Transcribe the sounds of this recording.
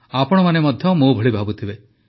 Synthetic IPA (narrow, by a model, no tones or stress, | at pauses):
apɔɽ̃ɔmanemɔd̪ʱjɔmubʱɔɭibʱabut̪ʰibe